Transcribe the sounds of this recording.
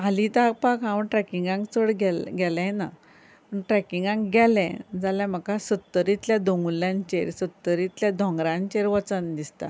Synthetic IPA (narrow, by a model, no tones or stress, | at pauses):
alĩt̪ak̚pakɦãʋəɳʈɾɛkiŋɡãŋkt͡səɽɡɛlɡɛlãna̰ | pəɳʈɾɛkiŋɡãŋkɡɛlɛ̰̃d͡zaljãm̤əkasət̪ːəɾit̪ljad̪oŋɡuljãɲt͡ɕeɾsət̪ːəɾit̪ljad̪ʱɔ̃ŋɡɾãɲt͡ɕeɾʋət͡sənd̪ist̪a̰